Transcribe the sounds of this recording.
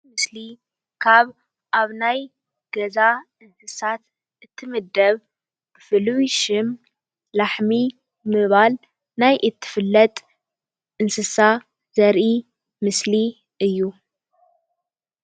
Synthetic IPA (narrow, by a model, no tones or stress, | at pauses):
mɨsli | kʰaβ | ʔaβnaj | ɡ̥ɐza | ɨnsɨsat̪ | ʔɨt̪ʰːɨmɨd̪ɐβ | bfɨlwiʃɪm | laħmi | mɨβal | najʔɨt̪ʰːɨ̥fɨlːɐt̪ʼ | ʔɨnsɨsa | zɐɾʔi | mɨsli | ɨjːu